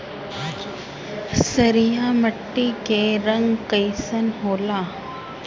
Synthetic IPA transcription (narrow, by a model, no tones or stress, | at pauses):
səɾijaməʈːikeɾəŋɡkəjsənɦoːlaː